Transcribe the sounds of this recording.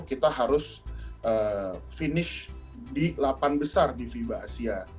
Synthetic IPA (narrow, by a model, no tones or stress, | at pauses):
kit̪aɦaɾʊs | ʔəːfinɪʃdilapanbəsardifibaa̰sia